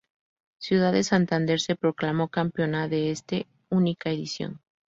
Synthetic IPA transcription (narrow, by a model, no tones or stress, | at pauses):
sjuð̞aðe̞sant̪and̪e̞ɾse̞pɾo̞klamo̞kampjonaðe̞est̪e | unikaeðisjo̰n